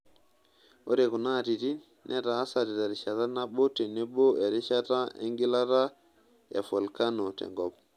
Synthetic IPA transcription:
o˦ɾɛku˨na˦ti˨ti˦ | nʔɛ˦taː˨˦sati˨ta˨ɾi˨ʃa˨tanabɔ˦tɛ˨nɛ˦bɔ˦ɛ˨ɾi˦ʃa˦ta˦ḛŋɡi˦la˦ta˦ | ɛ̰˨fɔlkanɔ˨tɛ̰ŋɡɔb

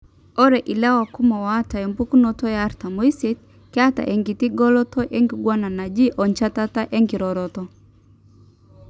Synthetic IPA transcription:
ɔ˦ɾɛ˨ʔi˨la˦wa˨ku˦mɔ˨wa˦ta˨ɛ˨mbu˦ku˦nɔ˦tɔ˦jaː˦ɾta˨mɔ˨i˦sɛ˦t̚ | kɛ˦a˦ta̰˨ʔɛ˨ŋɡi˨ti˦ɡɔ˦lɔ˦tɔ˦ʔɛ˦ŋɡi˨ɡwa˦na˨na˨d͡ʒi˦ʔɔ˨ɲt͡ʃa˦ta˦ta˦ʔɛ˦ŋɡi˨ɾɔɾɔtɔ

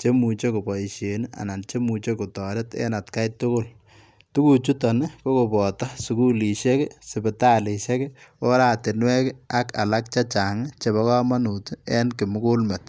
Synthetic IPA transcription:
t͡ʃe˦mu˨t͡ʃe˦ko˨pɔ˨i˨ʃe˨na̰˨na˨nt͡ʃe˦mu˨t͡ʃe˦ku˨tɔ˨ɾɪ˦tḛ˦na˨tka˦jtʊ˦kʊ˦˨l | tu˦ku˨t͡ʃu˦tɔ˨nɪ˦ko˦ko˨bɔ˨ta˦su˨ku˦li˨ʃe˦ksɪ˨bɪ˨ta˦le˨ʃe˦ko˦ɾaː˦˨te˨nwɛ˦ka˦ka̰˨la˦k̚t͡ʃa˦t͡ʃa˨ŋt͡ʃe˨βɔ˦ka˦ma˦nu˨tɛ˦nkɪ˨mʊ˦ku˦lme˨t̚

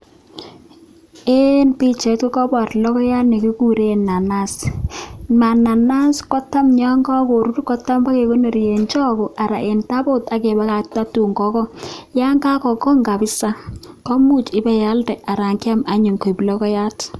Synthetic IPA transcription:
e˦npi˦t͡ʃe˨ti˦kɔ˦bɔ˨tlɔ˦kɔ˦ja˦tnɛ˨ki˦ku˦ɾe˦na˨na˦s | ma˨na˨na˦skɔ˦ta˦mɲa˦ŋɡɔ˦ko˨ɾu˦ɾkɔ˦ta˦mba˦ke˨ko˦no˨ɾje˨nt͡ʃɔ˦kɔ˨ʔa˨ɾa˨ʔe˨nta˦bo˦ta˨ke˨ba˦ka˨ta˦tu˨ŋɡɔ˨˦kɔ˦ja˦ŋka˦kɔ˨kɔ˦ŋɡa˨bɪ˦sa˦ | kɔ˦mu˦t͡ʃɪ˦bɛ˨ja˦ldɛ˨ʔa˨ɾa˨ŋkɪ˦a˦ma˨ɲu˨ŋko˨blɔ˦kɔ˦ja˦t

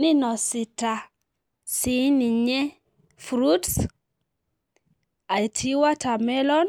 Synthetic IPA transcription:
ni˦nɔ˨si˨ta˨ | si˨˦ni˨ɲɛ˦ | fɾu˦ts | a˨i˨tʰi˦wa˦ta˨mɛ˦lɔ˦n

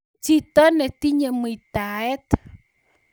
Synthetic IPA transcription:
t͡ʃi˦t̪ɔ˦nɛ˨t̪i˦ɲe˨mu˨i˨ta˨ɛ˦t

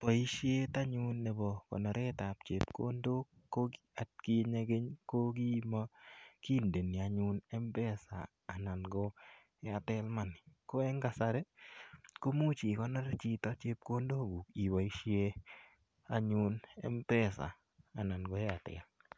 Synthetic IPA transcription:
ta˨i˦ʃje˦ta˦ɲʊ˦nːɛ˨bɔ˨kɔ̰˨nɔ˨ɾɛ˦ta˨pt͡ʃe˨pko̰˦ndo˦ | ko˦ɡia˨t̚ki˦ɲe˧ɡe˦ɲko˦ɡi˦ma˦ki˦nde˨ni˨a˨ɲʊ˦nɛ˦mpɛ˦sa̰ː˨na˨nɡɔ˦ | ɛ˦a˨tɛ˦lma˨nɪ˨ko˦ɛ˦ŋɡa˨sa˧ɾe˦ | ko˦mu˦t͡ʃi˨kɔ˦nɔ˦ɾe˦t͡ʃi˦ta˨˦t͡ʃe˦p̚ko˦ndo˦˨ɡu˨ki˨wa˨i˦ʃje˦ | a˦ɲʊ˦nɛ̰˦mbɛ˦sa̰ː˨ | na˨nɡɔ˨˦ɛ˦a˨tɛ̰˨l

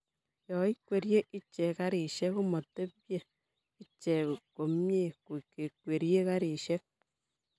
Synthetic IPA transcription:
jɔ˨i˦kwe˨ɾje˦ʔi˦t͡ʃɛ˨ka˦ɾi˨ʃɛ˦ku˦mɔ˨te˦pje˨ | i˦t͡ʃɛ˨ko˨mje˦˨ku˨ke˨kwe˨ɾje˦ka˦ɾi˨ʃɛ˦k̚

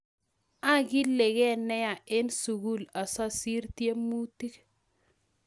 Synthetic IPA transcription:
a˦ɡɪ˦le˨ɡɛ˦˨nɛ˦ja˨ʔe˦nsu˨ɡu˦la˨sɔ˦si˦ɾtje˦mu˦ti˦k

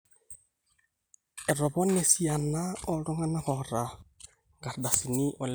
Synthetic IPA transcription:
ɛ˨ɾɔ˨βɔ˦nɛ˨si˦a˨na˦ɔ˦ɺɔ˦ŋa˦na˦ɣɔ˨ɾa˨ | ŋɡa˨ɾda˨si˨ni˦ʔɔ˨l

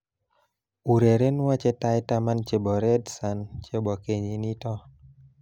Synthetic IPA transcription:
u˨ɾe˨ɾe˦n˦wa˦t͡ʃɛ˦ta˦jta˦ma˦nt͡ʃe˨bɔ˨ɾɛ˦dsa˨nt͡ʃe˦bɔ˨ke˨ɲi˨ni˦tɔ˦

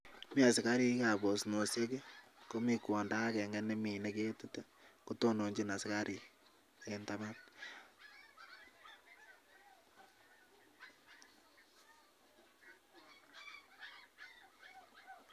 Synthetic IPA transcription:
mi˦a˨sɪ˨ka˦ɾi˦ka˨βo˨sno˨se˦ke˦ko˦mi˦kwɔ˨nda˦kɛ˨ŋɡa˦ne˦mi˨nɛ˦ke˦tu˦ta˦ | ko˦to˦no˨ɲd͡ʒe˦na˨sɪ˨ka˦ɾi˨ | enta˦ma˦t

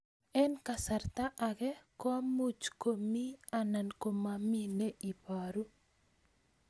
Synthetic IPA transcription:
ɛ˦nka˨sa˨rt̪a˦ʔaɡɛ˦kɔ˦mu˦t͡ʃko˨mi˦a˨na˨nko˨mamine˦ʔi˨paɾu˦

